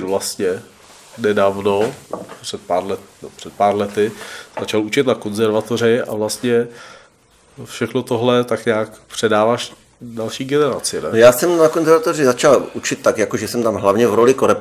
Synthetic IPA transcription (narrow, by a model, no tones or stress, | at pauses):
vlast̪ɲɛ | nɛdaːvno̞pr̥ɛt̪̚paːɾlɛnɛbopr̝̥ɛt̪̚paːɾlɛt̪ɪz̥at͡ʃalut͡ʃɪt̪nako̞nzɛɾvat̪orɪa̰vlast̪ɲɛ | fʃɛxno̞t̪oɦlɛt̪akɲaːkpr̝̥ɛdaːvaʃ | dalʃiːɡɛnɛɾat͡sɪnɛjaːsɛmnakonzɛɾvat̪orɪzat͡ʃalʔut͡ʃɪt̪̚ːakjakoʒɛsɛmt̪amɦlavɲɛvɾolɪkoɾɛp